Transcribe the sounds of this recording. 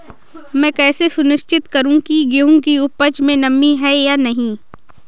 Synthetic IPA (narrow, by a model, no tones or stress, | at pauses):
mɛ̃ːkɛːsesʊnɪʃt͡ʃɪt̪kɐɾũkiɡeũkiʊpət͡ʃmẽnɐmːiɦɛjaːnɐɦĩː